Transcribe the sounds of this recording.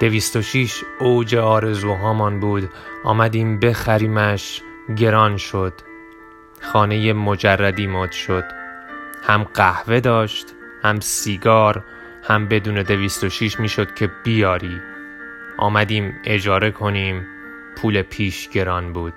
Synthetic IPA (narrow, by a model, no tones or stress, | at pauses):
d̪̥e̞viːst̪o̞ʃiʃowd͡ʒe̞ɒːɾe̞zuːɦɒːmɒnbuːd̪ʔɒ̰ːmæd̪iːmbe̞xæɾiːmæʃ | ɟe̞ɾɒnʃo̞d̪̥ | xɒːne̞jemod͡ʒærːæd̪iːmɔːd̪̥ʃo̞d̪̥hæmɢæhve̞d̪ɒːʃt̪ | hæmsiːɡɒːɾ | hæmbe̞d̪uːne̞d̪e̞viːst̪o̞ʃiːʃmiːʃo̞d̪̥cʰe̞b̥ijɒːɾiː | ʔɒ̰ːmæd̪iːme̞d͡ʒɒːɾe̞kʰo̞niːm | pʰuːle̞pʰiːʃɡ̥e̞ɾɒːnbuːd̪̥